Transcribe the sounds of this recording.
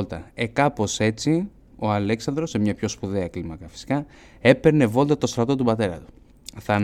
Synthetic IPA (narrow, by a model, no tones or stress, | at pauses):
lt̪ɐe̞kɐpo̞se̞t͡si | o̞ɐle̞ksɐnd̪ɾo̞semɲɐpço̞spuðeɐklimɐkɐfi̥si̥kɐ | epe̞ɾne̞vo̞lt̪ɐt̪o̞st̪ɾɐt̪o̞t̪upɐt̪e̞ɾɐ̰t̪u̥ | θɐ